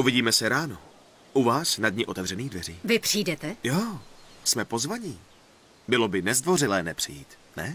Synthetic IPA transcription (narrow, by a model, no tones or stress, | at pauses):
ʔuvɪɟiːmɛsɛɾaːno | ʔuvaːsnadɲɪʔo̞t̪ɛvrɛniːɣdvɛr̝iːvɪpr̥iːdɛt̪ɛjoːsmɛpo̞zvaɲiː | bɪlo̞bɪnɛzdvo̞rɪlɛːnɛpr̝̥ɪjiːt̪ | nɛ